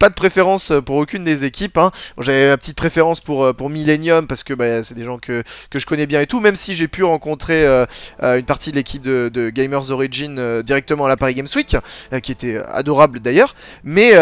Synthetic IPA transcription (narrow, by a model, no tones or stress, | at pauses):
pad̪əpχefeʁɑ̃søpuʁokʲynd̪ezekʲipɛ̃bɔ̰̃ʒavɛmapət̪it̪̚pχefeʁɑ̃spuʁøpuʁmilenjɔmpaʁsə̥kəbasɛd̪eʒɑ̃kʰəkəʒəkɔnɛbjɛ̃et̪umɛmsiʒepyʁɑ̃kɔ̃t̪χeøøynpaʁt̪id̪əlekʲʰip̚d̪əd̪əɡʲɛjmœʁzɔʁiʒinød̪iʁɛk̚t̪əmɑ̃alapaʁiɡɛmswikʲøkʲiet̪ɛø̰a̰d̪ɔʁabləd̪ajœːʁ | mɛ